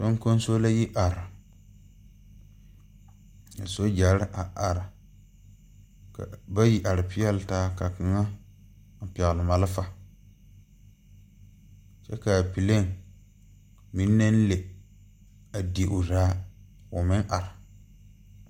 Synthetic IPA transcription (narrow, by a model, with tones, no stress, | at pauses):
so˦ŋ˦ko˦n˦so˦la˦ji˦ʔa˨ɾɪ˨ | a̰˨so˦d͡ʒa˨˦ɾɪ˦ʔa˨a˨ɾɪ˨ | ka̰˨ba˦ji˨ʔa˨ɾɪ˨pɪ˦ɛ˦lɪ˦taː˦ka˨kɪ˨ŋa˦ | n̩˨pɛ˨ɣlɪ˨ma˨lɪ˦fa˦ | t͡ʃɛ˦ka˨pi˨le˦˨ŋ | mi˨˦nː˦e˦n˦le˨ | a˨di˨e˨ʔʊ˨daː˦ | ʊ˨mɪ˦ŋʔa˨ɾɪ˨